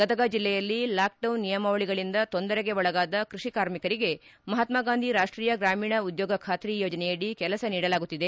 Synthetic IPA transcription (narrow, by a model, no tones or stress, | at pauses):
ɡɐd̪ɐɡaːd͡ʒilːɛjɐlːilaːk̚ɖɐwnːijɐmɐʋɐɭiɡɐɭind̪ɐt̪o̞nd̪ɐɾeɡe̞ʋɔɭɐɡaːd̪ɐkɾuʂikaːɾmikɐɾiɡe̞mɐɦat̪maːɡaːnd̪ʱiɾaːʂʈɾiːjɐɡɾaːmiːɳɐud̪joːɡɐkʰaːt̪ɾijoːd͡ʒɐnɛjɐɽikɛlɐsɐniːɽɐlaːɡut̪ːid̪e̞